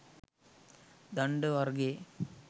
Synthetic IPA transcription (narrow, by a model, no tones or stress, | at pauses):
d̪ɐɳɖɨʋɐɾɡe